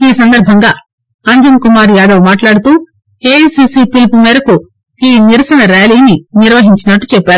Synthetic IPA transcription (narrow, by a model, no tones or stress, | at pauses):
iːsɐnd̪ɐɾbʱɐŋɡaː | ɐɲd͡ʒɐnkumaːɾjaːd̪ɐʋmaːʈlaːɽut̪uː | eːsiːsiːpilpumɛːɾɐku | iːniɾɐsɐnɐɾaːliːniniɾʋɐɦiɲt͡ʃinɐʈːu̥t͡ʃɛpːaːɾu